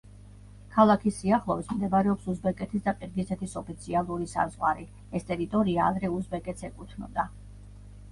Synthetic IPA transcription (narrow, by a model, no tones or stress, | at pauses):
kʰalˠakʰisiaχlˠɔvismd̪ɛbaɾɛɔpsuzbɛkʼɛt̪ʰisd̪aqʼiɾɡisʰɛt̪ʰisɔpʰit̪sʰialˠuɾisa̰zʁwa̰ɾi | ɛst̪ʼɛɾit̪ʼɔɾiaːd̪ɾɛuzbɛkʼɛt̪sʰɛkʼut̪ʰnɔ̰d̪a